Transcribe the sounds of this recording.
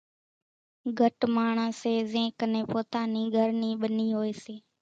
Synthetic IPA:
ɡʱəʈmaːɳ̤ãːseːzẽːknẽːpoːt̪aːniːɡʱəɾniːɓəniːɦoːeːseː

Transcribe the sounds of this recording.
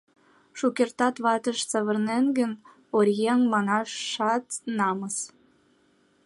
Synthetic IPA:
ʃukʲert̪ɑt̪βɑt̪əʃt͡səβə̆rnenɡən | oɾʲjeŋmɑnɑʃːɑt̪nɑməs

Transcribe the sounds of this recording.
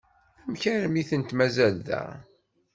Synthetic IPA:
æmçæɾmiθənt̪mæzælðæ̰

